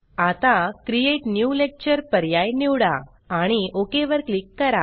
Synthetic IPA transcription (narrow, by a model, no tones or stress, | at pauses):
at̪ãkɾijeʈnjulek̚t͡ɕəɾpəɾjajniwɽa | aɽ̃iokeʋəɾklikːəɾa̰